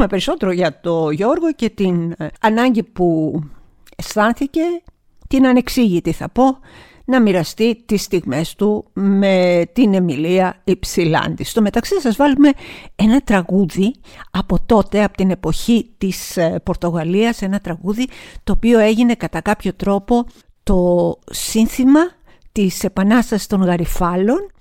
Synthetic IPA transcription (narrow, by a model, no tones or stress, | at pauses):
me̞pe̞ɾiso̞t̪e̞ɾo̞ʝɐt̪o̞ʝo̞ɾɣo̞ce̞t̪inɐnɐɲɟipu | est̪ɐnθice̞ | t̪inɐne̞ksiʝit̪iθɐpo̞ | nɐmiɾɐst̪it̪ist̪iɣme̞st̪ume̞t̪ine̞miliɐipsilɐ̰nd̪ist̪o̞me̞t̪ɐksisɐzvɐlume̞e̞nɐt̪ɾɐɣuðiɐpo̞t̪o̞t̪e̞ɐpo̥t̪ine̞po̞çit̪ispo̞ɾt̪o̞ɣɐliɐse̞nɐt̪ɾɐɣuðit̪o̞ːpio̞e̞ʝine̞kɐt̪ɐkɐpço̞t̪ɾo̞po̞ | t̪o̞sinθimɐ | t̪ise̞pɐnɐst̪ɐsi̥st̪o̞ŋɣɐɾifɐlo̞n